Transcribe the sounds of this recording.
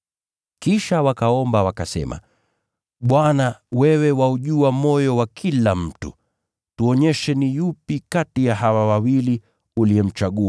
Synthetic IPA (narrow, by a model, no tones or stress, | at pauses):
kiʃawakaɔmbawakasɛ̰ma̰ | ɓwanawɛwɛwauʄuamɔjɔwakʰilam̩tṵ | tuɔɲɛʃɛnijupikatijaɦawawawili | uliɛm̩t͡ʃaɠua